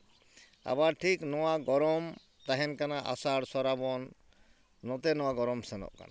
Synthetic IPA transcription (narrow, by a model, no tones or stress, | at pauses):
a̰βaʈʰiknɔwaɡɔɾɔm | t̪aɦɛnkanaʔa̰saɽsɔɾabɔnː | ɔt̪ɛnɔwaɡɔɾɔmsɛnɔ̰ʔka̰na